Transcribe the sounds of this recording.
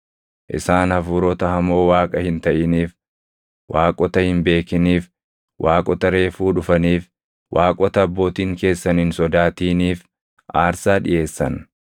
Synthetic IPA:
ʔɪ̰saːnhɐfuːɾɔt̪ɐhɐmo̞ːwaːkʼɐhɪnt̪ɐʔɪniːf | waːkʼɔt̪ɐhɪmbe̞ːkɪniːf | wʔaːkʼɔt̪ɐɾe̞ːfuːᶑʊfɐniːf | wʔaːkʼɔt̪ɐːbːo̞ːt̪iːŋke̞ːsːɐnɪnsɔd̪aːt̪iːniːf | ʔaːɾsaːᶑɪ̰ʔe̞ːsːɐn

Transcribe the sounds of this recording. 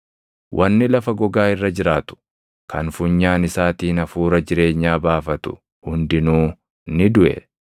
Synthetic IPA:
wʔɐnːɪlɐfɐɡɔɡaːɪrːɐd͡ʒɪɾaːt̪ʊ̥ | kɐnfʊɲːaːnɪsaːt̪iːnɐfuːɾɐd͡ʒɪɾe̞ːɲːaːbaːfɐt̪ʊ̥ | hʊnd̪ɪnuː | nɪd̪ʊʔɛ̰

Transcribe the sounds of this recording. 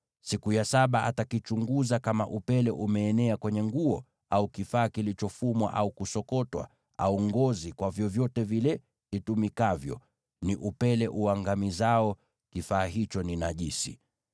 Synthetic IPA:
sikujasaɓaʔatakit͡ʃuŋɡuzakama̰ʔupɛlɛʔumɛːnɛakwɛɲɛŋɡuɔ | aukifaːkilit͡ʃɔfumwa̰ʔaukusɔkɔtwa̰ | auŋɡɔzikwavjɔvjɔtɛvilɛ | itumikavjɔ̰ | niʔupɛlɛʔuaŋɡamizaɔ | kifaːɦit͡ʃɔninaʄisḭ

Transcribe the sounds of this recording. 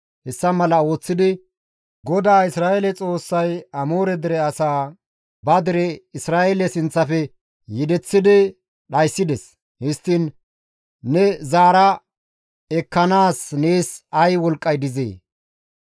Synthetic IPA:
hɛsːɐmɐlɐo̞ːt͡sːɪd̪ɪ | ɡɔd̪aːɪsɾaːelɛt͡sʼo̞ːsːɐjɐmoːɾɛd̪ɛɾɛɐsaː | bɐd̪ɪɾɛɪsɾaːʔelɛsɪnt͡sːɐfɛ | jɪd̪ɛt͡sːɪd̪ɪ | ɗɐjsːɪd̪ɛs | hɪst̪ːɪn | nɛzaːɾɐ | ɛkːɐnaːsne̞ːsɐjwɔlkʼːɐjd̪ɪzḛː

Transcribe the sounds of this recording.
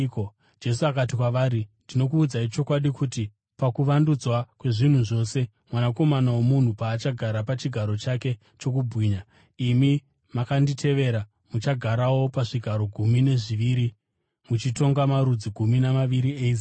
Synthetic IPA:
d͡ʒe̞suakatikwaʋaːɾindino̞kuːd͡zait͡ʃo̞kwaɗikuti | pakuʋandud͡zwakwe̞ʐin̤uʐo̞se̞ | mwanako̞manawomun̤upaːt͡ʃaɡʱaɾapat͡ʃiɡʱaɾo̞t͡ʃake̞ | t͡ʃo̞k̬ubʱɣiːɲa | imi | makanditʰe̞ʋe̞ɾa | mut͡ʃaɡʱaɾawo̞paʐiɡʱaɾo̞ɡʱumine̞ʐiʋiːɾi | mut͡ʃito̞ŋɡamaɾud͡ziɡʱuminamaʋiɾieizi

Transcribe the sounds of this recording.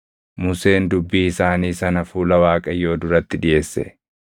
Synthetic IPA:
mʊse̞ːnd̪ʊbːiːɪsaːniːsɐnɐfuːlɐwaːkʼɐjːo̞ːd̪ʊɾɐt̪ːɪᶑɪje̞ːsːɛ̰

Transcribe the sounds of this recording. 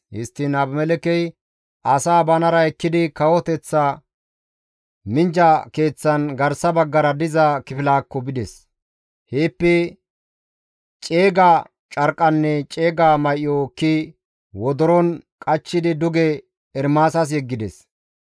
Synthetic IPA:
ʔɪst̪ːɪnɐbmɛlɛkɛj | ɐsaːbɐnɐɾɐɛkːɪd̪ɪkɐwɔt̪ɛt͡sːa | mɪnd͡ʒɐke̞ːt͡sːɐnɡɐɾsɐbɐɡːɐɾɐd̪ɪzɐkɪfɪlaːkːɔbɪd̪ɛs | heːpːɛ | t͡ʃʼe̞ːɡa | t͡ʃʼɐɾkʼːɐnːɛt͡ʃʼe̞ːɡaːmɐjɔkːɪ | wɔd̪ɔɾɔnkʼɐt͡ʃːɪd̪ɪd̪ʊɡɛ | ɛɾmaːsɐs̬jɛɡːɪd̪ɛs

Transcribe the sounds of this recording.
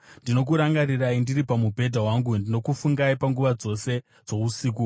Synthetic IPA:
ndino̞k̬uɾaŋɡaɾiraindiɾipamubʱe̞dʱawaŋɡundino̞kufuŋɡaipaŋɡuʋad͡zo̞se̞ | d͡zo̞usiːk̬u

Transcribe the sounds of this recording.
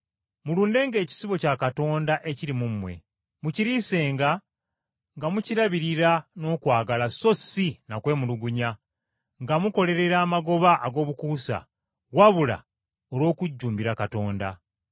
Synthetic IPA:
muluːnde̞ːŋɡe̞ːci̥siβo̞cakato̞ːndaʔe̞ciɾimumwe̞̰ | muciɾise̞ːŋɡa | ŋɡamuciɾaβiɾiɾano̞ːkwaːɡalaso̞sinakwe̞ːmuluɡuɲa | ŋɡamuko̞le̞ɾe̞ɾaːmaɡo̞βaʔːɡo̞ːβukuːsa̰ | waβula̰ | oɾwo̞ːkuɟːuːmbiɾakato̞ːnda̰

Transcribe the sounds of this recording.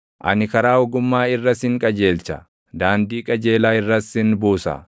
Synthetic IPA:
ʔɐ̰nɪkɐɾaːɔɡʊmːaːɪrːɐsɪŋkʼɐd͡ʒe̞ːlt͡ʃɐ | d̪aːnd̪iːkʼɐd͡ʒe̞ːlaːɪrːɐsɪnbuːsɐ̰

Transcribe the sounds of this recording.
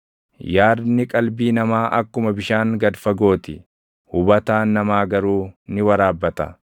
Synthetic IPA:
jaːɾnɪkʼɐlbiːnɐmaːʔɐkːʊmɐbɪʃaːŋɡɐd̪fɐɡo̞ːt̪ɪ | hʊbɐt̪aːnːɐmaːɡɐɾuːnɪwɐɾaːbːɐt̪ɐ̰

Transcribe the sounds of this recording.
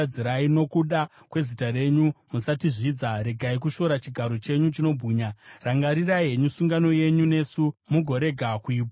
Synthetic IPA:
d͡ziɾaino̞kuɗa | kwe̞zitare̞ɲumusatiʐiːd͡zaɾe̞ɡʱaik̬uʃo̞ɾat͡ʃiɡʱaɾo̞t͡ʃe̞ɲut͡ʃino̞bʱiːɲaraŋɡaɾirajeɲusuŋɡano̞je̞ɲune̞ːsumuɡʱo̞ɾe̞ɡʱakuiːpa

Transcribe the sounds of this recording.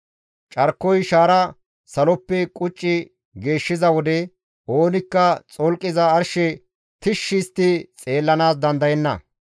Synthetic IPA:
t͡ʃʼɐɾkːɔjʃaːɾɐ | sɐlɔpːɛkʼʊt͡ʃʼːɪ | ɡe̞ːʃːɪzɐwɔd̪ɛ | ʔo̞ːnɪkːɐt͡sʼɔlkʼːɪzɐːɾʃɛ | t̪ɪʃːɪst̪ːɪt͡sʼe̞ːlːɐnaːs̬d̪ɐnd̪ɐjɛnːɐ̰

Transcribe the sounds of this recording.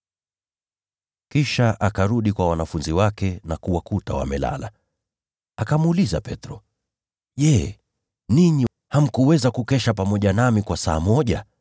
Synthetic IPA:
kiʃaʔakaɾuɗikwawanafunziwakɛnakuwakutawa̰mɛla̰la̰ | akamuliza̰pɛtɾɔ | ʄɛ | niɲi | ham̩kuwɛzakukɛʃapamɔʄanamikwasaːmɔʄa

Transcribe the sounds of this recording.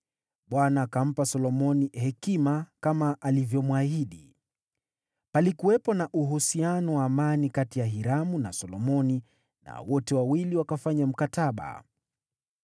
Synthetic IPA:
ɓwanaːkam̩pasɔlɔmɔnihɛkimakamaʔːlivjɔmuahiɗi | palikuwɛpɔnaʔuɦusianɔwaːmanikatijaɦiɾamunasɔlɔmɔni | na̰wɔtɛwawiliwakafaɲam̩kataɓa̰

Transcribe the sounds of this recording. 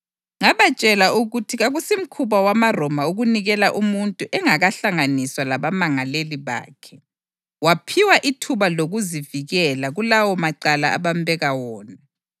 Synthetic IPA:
ŋaβat͡ʃʼɛlauɣutʰiɣaɣusim̩kʰuβawamarɔmauɣuniɣɛlaʔumuntʼuʔɛŋaɣaɬaŋaniswalaβamaŋaleliβa̰ːkʰɛ | wapʰiwaʔitʰuβaloɣuziviɣɛlaɣulawɔmaǃalaa̰βambɛɣawɔːna

